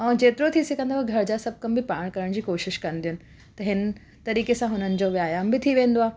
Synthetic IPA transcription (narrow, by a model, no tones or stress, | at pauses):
ɛ̃ːd͡ʑeːt̪ɪɾot̪ʰisɪkʰə̃nd̪aoɡʱɐɾd͡ʑaːsɐb̚ʱkɐmbɪpaːɽ̃kɐɾəɽ̃d͡ʑiːkoːʃɪʃkɐ̃n̆d̪ijʊnɪ̆ | t̪ɐɦɪn | t̪ɐɾiːkesãɦʊnənɪ̆d͡ʑoːʋjaːjaːmbɪt̪ʰiʋẽːnd̪oaːe